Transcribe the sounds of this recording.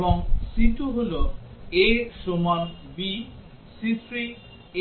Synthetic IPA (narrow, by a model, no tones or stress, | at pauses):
bɔŋsit̪uɦoloesomanbi | sitʰɾi